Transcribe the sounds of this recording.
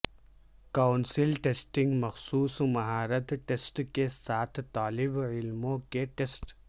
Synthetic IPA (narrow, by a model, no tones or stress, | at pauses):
kaːʊnsɪlʈeːsʈɪ̃ŋɡmɐxsuːsmɐɦaːɾət̪ʈeːsʈkesaːt̪ʰt̪aːlɪbɪlmõkeʈeːsʈ